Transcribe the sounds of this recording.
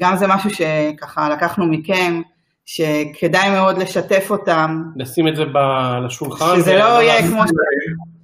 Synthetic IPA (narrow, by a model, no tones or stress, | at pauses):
ɡamzemaʃuʃe̞kaχalakaχnumiken | ʃe̞kʰe̞dajmeo̞dle̞ʃate̞fo̞tamlasimetzebalaʃulχanzelo̞ijekmo